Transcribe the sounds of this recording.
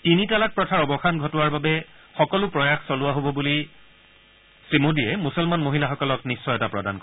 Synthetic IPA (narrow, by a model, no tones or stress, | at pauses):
tinitalak̚pɹɔtʰaɹɔbɔxanɡʱɔtʊwaɹbabɛ | xɔkɔlʊpɹɔjaxsɔlʊwaɦobɔbuli | sɹimudijɛmusɔlmanmoɦilaxɔkɔlɔknisːɔjɛtapɹɔda̰nkɔ